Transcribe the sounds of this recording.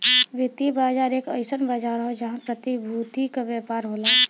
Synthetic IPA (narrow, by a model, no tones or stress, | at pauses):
ʋɪt̪ibaːd͡ʒaːɾeːkəɪsənbad͡ʒaɾɦod͡ʒəɦãpɾət̪ibʱut̪ikaʋjɛːpaːɾɦoːlaː